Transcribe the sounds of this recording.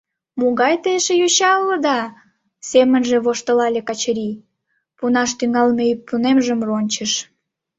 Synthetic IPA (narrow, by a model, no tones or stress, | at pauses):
muɣɑjt̪eʃejoɕɑlːə̆d̪ɑ | semənʒĕβoʃt̪əlɑlʲekɑt͡ɕəɾi | punɑʃt̪yŋɑlmepunemʒəmronʲt͡ɕəʃ